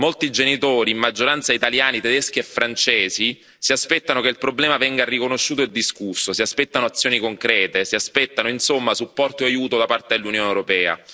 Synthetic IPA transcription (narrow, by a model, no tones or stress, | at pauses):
molt̪id͡ʒenit̪oːɾiːmmːad͡ʒːoɾant̪sait̪aljaːnit̪ed̪esk̟iefːɾant͡ʃɛːzi | siaspɛt̪ːanokeilpɾoblɛːmavɛŋɡarikonoʃːuːt̪oed̪ːiskusːosiaspɛt̪ːanoat̪sːjoːnikoŋkɾɛːt̪esiaspɛt̪ːanoinsomːasupːɔrt̪oajuːt̪od̪apart̪ed̪elːunjoːnewɾopɛːa̰